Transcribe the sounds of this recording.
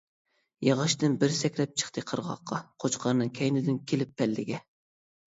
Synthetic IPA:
jɑʁɑʃt̪ɨnbɪɾsɛkʲɾɛp̚t͡ʃʰə̥χt̪ʰɨqʰəɾʁɑ̰qʰːɑqʰot͡ʃqʰɑɾnɨŋkʲʰɛjnɪd̪ɪnkʲʰelɪpːɛlːɪ̰ɡʲɛ

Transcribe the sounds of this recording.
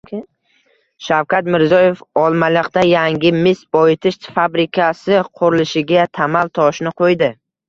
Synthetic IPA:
ʃawkʰʲat̪mɪɾzɒje̞fɒlˠmalˠɪqt̪ajaŋɡʲɪmɪsbɒjɪt̪ʰɪʃt̪fabɾɪkʲʰasɪqʰʊɾɪlɪʃɪɡʲat̪ʰamalˠt̪ʰɒʃnɪqʰojd̪ɪ

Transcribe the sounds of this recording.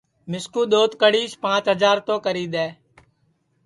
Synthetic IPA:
mɪskũːɗ̪oːt̪kəɽiːʃpãːt͡ʃɦəzaːɾt̪õːkəɾiːd̪ɛː

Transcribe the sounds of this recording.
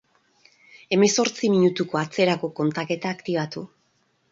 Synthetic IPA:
e̞me̞so̞ɾt͡simiɲut̪uko̞at͡se̞ɾako̞ko̞nt̪ake̞t̪aːkt̪iβat̪u

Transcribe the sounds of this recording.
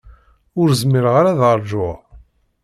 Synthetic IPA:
ʊɾzmɪɾʁaɾaðəɾˤʒʊʁ

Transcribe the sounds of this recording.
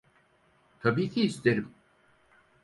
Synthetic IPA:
t̪ʰabiːkʰʲiːst̪ʰeɾim

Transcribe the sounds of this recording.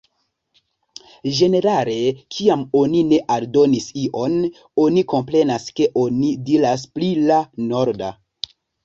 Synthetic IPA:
ʒe̞ne̞ɾale̞kʰiamo̞nine̞ʔaldo̞nisiʔo̞n | o̞niko̞mpɾe̞naske̞ʔo̞nidiɾas̬plilano̞ɾda̰

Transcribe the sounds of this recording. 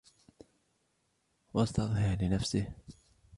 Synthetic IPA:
wɑst̪ɑðˤhɪɾlɪnafsɪh

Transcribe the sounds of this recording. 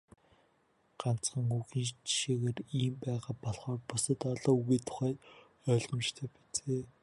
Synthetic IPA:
ɢ̥an̥t͡sɢə̆ŋuɣiːnt͡ɕʃeːɣeːriːmpæːʁaːpɔɮχɔːrpʊsə̆t̪ɔɮɔːuɣiːt̪ʰʊ̥χæː | œːɮə̆mt͡ɕt̪ʰœːpi̥t͡seː

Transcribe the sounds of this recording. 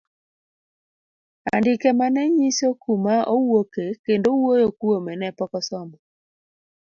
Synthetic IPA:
a̰ndɪkɛmanɛɲisokumaʔowokekendowojokwomɛnɛpɔkɔsɔmɔ

